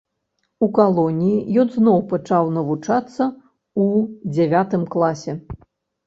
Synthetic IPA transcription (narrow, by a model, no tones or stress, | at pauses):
ukalˠɔnʲijijɔnznɔwpat͡ʂawnɐvut͡ʂat̪sːɐ | ud͡zʲavʲat̪ɨmklˠasʲɛ